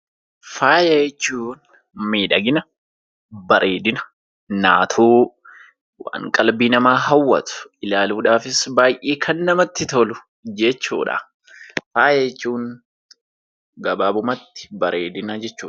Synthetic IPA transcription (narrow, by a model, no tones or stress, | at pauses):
faːjɐjɛt͡ʃːuːn | miːᶑɐɡɪnɐ | bɐɾʔeːd̪ɪnɐ̥ | na̰ːt̪ʰuː | wa̰ːŋkʼɐlbiːnɐmaːɦɐwːɐ̰t̪ʊ̥ɪlaːluːᶑaːfɪsbaːjʔeːkʰɐnːɐmɐt̪ːɪt̪ɔlʊ | d͡ʒɛt͡ʃːṵːᶑɐ̰ | faːjɐjt͡ʃːuːŋ | ɡɐbaːbʊmɐt̪ːɪ̥bɐɾeːd̪ɪnɐd͡ʒɛt͡ʃːuː